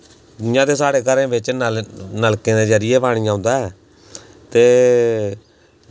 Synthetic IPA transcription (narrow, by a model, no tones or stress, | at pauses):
ɪjãːt̪eːsaːɽeːkəɾẽːbɪt͡ʃnnəlkẽːnẽːd͡ʒəɾɪjeːpaːɽ̃ɪjãːʊ̃nd̪aːɛː | t̪eː